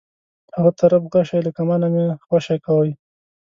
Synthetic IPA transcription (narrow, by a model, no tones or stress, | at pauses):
haɣat̪aɾabɣaʃajlakamanamexwaʃajkawəj